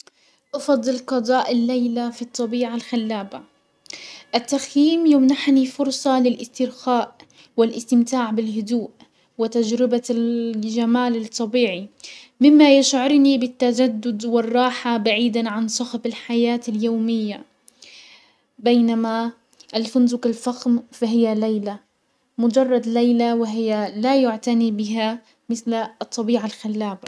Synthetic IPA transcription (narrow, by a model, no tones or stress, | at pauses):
ʔɑfɑd̪ˤːɨlqɑd̪ˤɑːʔɪlːejlafit̪ˤːɑbiːʕalxalːaːba | ʔat̪ːaxjiːmjʊmnaħnifʊɾsˤɑlɪlʔɪst̪ɪɾxaːʔ | wɪlʔɪst̪ɪmt̪aːʕbɪlɦʊd̪uːʔ | wɪt̪ad͡ʒɾɪba | ʒamaːlɪt̪ˤːɑbiːʕi | mɪmːajɪʃʕʊɾˤnibɪt̪ːad͡ʒad̪ːʊd̪wɪrˤːɑːħabaʕiːd̪aʕansˤʊxfɪlħajaːt̪aljowmɪjːa | bajnama | ʔalfʊnzʊkalfaxmfaɦɪjalajla | mʊd͡ʒɑrˤːɑd̪lajlawɪɦɪjːalajʊʕt̪anibɪɦa | mɪθlt̪ˤːɑbiːʕalxalːaːba